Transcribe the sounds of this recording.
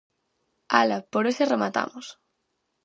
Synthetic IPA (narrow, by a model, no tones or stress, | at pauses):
alapoɾeseremat̪a̰mos